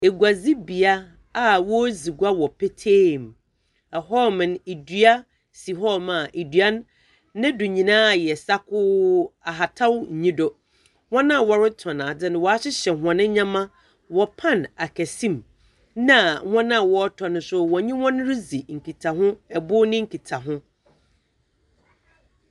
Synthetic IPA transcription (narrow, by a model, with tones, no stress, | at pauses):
e˨ɡʷa˨zi˦bi˨a˦ | a˨wɔ˦zi˨ɡʷa˦wɔ˨pʰe˦tʰeː˦˨m | ɛ˨ɦɔ˦mɪ̃˨ne˨dɥa˦ | si˨ɦɔ˦mã˨ʔe˨dɥa˦nː˦ | ɪ̃˦dʊ˨ɲĩ˨nãː˦˨jɛ˨sa˦kʰʊ˦a˨ɦa˨tʰa˦wɲ̩˨ɲĩ˦dɔ˨ | hɔ̃˦nã˦˨wɔ˦ɾɪ˦tʰɔ̃˨nã˨dɪ˦nɪ̃˨wɔ˨a˦ɕɪ˦ɕɛ˨ɦɔ̃˨nɪ̃˦ɲã˦mã˦ | wɔ˨pʰã˦˨na˨kʰɛ˨sĩ˦m | nã˦˨ŋɔ̃˦nã˦˨wɔ˦tʰɔ˨nʊ̃˨sʊ˦wɔ˨ɲĩ˦hɔ̃˦n˦ɾɪ˦zi˨ŋ̩˨kʰi˨tʰa˨ɦʊ̃˦ɛ˨bʊ˦nɪ̃˦ŋ̩˦kʰi˨tʰa˨ɦʊ̃˦